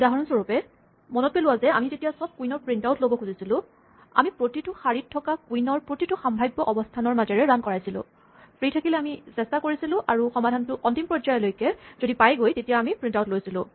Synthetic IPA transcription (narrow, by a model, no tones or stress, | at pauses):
daɦɔɹɔnsoɹupɛ | mɔnɔt̚peluwazɛamizetijasɔb̚kuinɔɹpɹintawtlobɔkʰuzisilʊ̃ | a̰mipɹotitʊxaɹitʰːɔkakuinɔɹpɹotitʊxambʱajbːɔʔɔbɔstʰanɔɹmazɛɹɛɹankɔɹajsilʊ̰̃ | pɹitʰakilɛamisɛstakoɹisilʊ̃ʔaɹuxɔmadʱantʊʔɔntimpɹɔzajɔlojkɛzodipajɡojtetijaːmipɹintawtlojsilʊ̰̃